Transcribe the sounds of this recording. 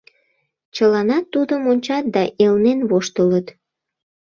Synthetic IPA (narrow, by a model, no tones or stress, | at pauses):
t͡ɕəlɑnɑt̪ːud̪əmonʲt͡ɕɑt̪̚d̪ɑʔelnenβoʃt̪ələt̪